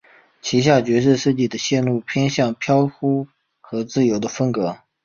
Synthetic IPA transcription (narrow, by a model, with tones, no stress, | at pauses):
t͡ɕʰi˧˥ɕ̬ja˥˩t͡ɕɥɛ˧˥ʂ̬ɻ̩˥˧ʂɻ̩˥˧t͡ɕi˥˩d̪ə˩˦ɕjɛ˥˧nlu˥˩pʰjɛ˥nɕjɑ˥˩ŋpʰjɑ˥ʊxu˥ | xɤ˧˥t͡sɹ̩˥˩jo˧˥ʊd̪ə˧fə˥ŋkɤ˧˥